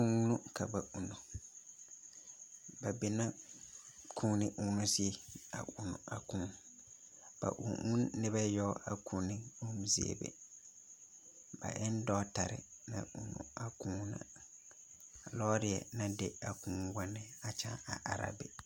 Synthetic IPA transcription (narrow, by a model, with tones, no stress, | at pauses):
u˦nu˦ka˨ba˨ʔu˨nu˨ | ba˨be˨na˦ | kʰuː˦nɪ˨ʔu˦nʊ˦sɪ˦e˦a̰˨u˨nʊ˨a˨kũ˦ | b̥a̰˨ʔṵ˨ʔu˦nːɪ˦ba˦jɔ˦ʔa˨kʰuː˨nɪ˦u˦mzɪ˦ḛ˦˨bḛ˨ | b̥a̰˨ʔɪ˦n˦dɔ˦ta˨ɾɪ̰˨na̰˨ʔu˨nṵ˨a˨kũ˦na̰˨ | lɔː˦ɾɪ˨ɛ˨na˦de˦a˨kũː˦wa˦nɪ˦a˨t͡ʃa˦a˨ʔa˨ɾa̰˦bɪ˨